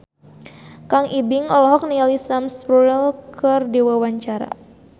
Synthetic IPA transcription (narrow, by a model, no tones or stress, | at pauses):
kaŋʔibiŋɔlɔɦɔk̚nialisamsɾuɾɛlkɨrdiwawaɲt͡ʃaɾa̰